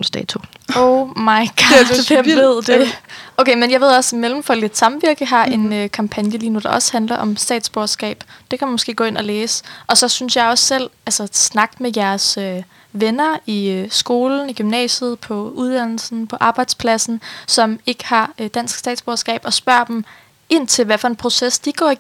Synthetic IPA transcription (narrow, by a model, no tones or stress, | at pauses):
sd̥ɛ̰t͡sʰuoʊmɑ̈ɪɡ̥ɑ | e̝ð̞̰ˠd̥eʔoʊkʰemenjɑɪʋe̝ð̞̰ˠɒ̽smelm̩fɒled̥sɑ̈mʋiɐɡ̥əɦɑ̈ʔe̝nøkʰɑ̈mpʰænjəliːnud̥ɑ̈ʔɒ̽shænd̥lɐʔɒ̽msd̥ɛ̰ːd̥sb̥oɐsɡ̥ɛ̰ːb̥d̥e̝kʰæmænmɔsɡ̥e̝̰ːɡ̥ɔ̽ːe̝nɒ̽leːsə̥ʔɒ̽sɒ̽synsjɑ̈ɪɒ̽sːel̰ælsɐsnɑ̈ɡ̥mejæɐsø | ʋenɐisɡ̥o̝ːln̩iɡ̥ymnɛ̰ːɕəð̩ˠpʰɒ̽uðˠd̥æn̰l̩sn̩pʰɒ̽ʔɑ̈ːb̥ɑ̈ɪd̥spʰlæsn̩sɒ̽me̝ɡ̥ə̥hɑ̈d̥æn̰sɡ̥sd̥ɛ̰ːd̥sb̥oːsɡ̥ɛ̰ːb̥ɒ̽sb̥ɶɐ̰d̥em | e̝n̰t͡sʰe̝lʋæfɒ̽e̝npʰʁo̝sesd̥iɡ̥ɒ̰ːi